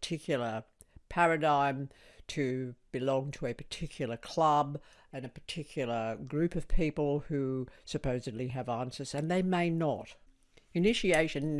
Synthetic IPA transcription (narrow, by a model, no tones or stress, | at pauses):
tʰɪkʰjl̩ˠə˞ | pʰæɹɨdãɪ̃mtʰɨb̥ɨlɔ̃ŋtʰəɨpʰə̥˞tʰɪkʰjl̩ˠə˞kʰl̥ʌb | ɨ̃nɨpʰə̥˞tʰɪkʰjl̩ˠə˞ɡɹʉpʌv̥pʰipl̩ˠhʉsɨpʰoʊzɨdˡliɨvæ̃nsə˞zɨ̃nðeɪmeɪnəɾ | ɨnɪʃieɪʃɨ̃nː